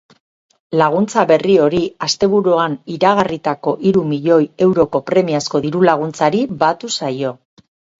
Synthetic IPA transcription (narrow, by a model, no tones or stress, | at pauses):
laɣ̞unt͡saβe̞rio̞ɾiast̪e̞βuɾuaniɾaɣ̞arit̪ako̞ʔiɾumiʎo̞je̞wɾo̞ko̞pɾe̞miasko̞ðiɾulaɣ̞unt͡saɾibat̪usajo̞